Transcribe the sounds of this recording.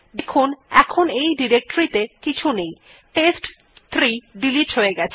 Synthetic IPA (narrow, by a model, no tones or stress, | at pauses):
d̪ekʰunɛ̰kʰonejɖiɾek̚ʈoɾit̪ekit͡ɕʰunej | ʈesʈ | t̪ʰːɾiɖiliʈɦoeɡɛt͡ɕʰe